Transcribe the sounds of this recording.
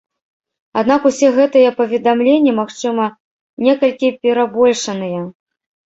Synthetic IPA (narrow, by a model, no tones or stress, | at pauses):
ad̪nakusʲɛɣɛt̪ɨjɐpɐvʲɛd̪amlʲenʲːɛmaxt͡ʂɨmɐ | nʲɛkɐlʲkʲipʲɛɾabɔlʲʂɐnɨjɛ